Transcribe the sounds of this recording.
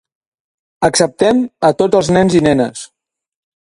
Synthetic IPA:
əksəp̚t̪ɛmət̪od͡zzəlˠznɛnzinɛnə̰s

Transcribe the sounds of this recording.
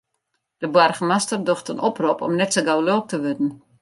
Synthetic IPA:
d̥əbwarχəmastərdoxtənopropɔ̰mnɛtsəɡawloːk̚təʋødn̩

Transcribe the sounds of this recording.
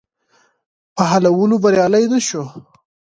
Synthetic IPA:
pəɦalawəlobaɾjɑlajd̪əʃo

